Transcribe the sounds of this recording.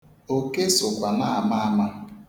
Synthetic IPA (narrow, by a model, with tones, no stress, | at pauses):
o˦ke˦sʊ˨kʷa˨na˦a˨ma˦a˦ma˦